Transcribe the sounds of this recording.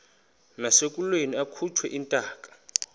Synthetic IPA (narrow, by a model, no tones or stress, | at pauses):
nasek̬ʼulweniakʰut͡ʃʰwɛ̰ʔintʼaːkʼḁ